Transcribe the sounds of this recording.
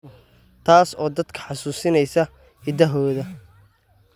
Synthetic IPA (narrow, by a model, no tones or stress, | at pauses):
t̪ʰaːsɔːd̪ɐd̪kʰɐ̥ħɑsuːsɪnɛjsɐ | ɪd̪ɐɦɔːðɐ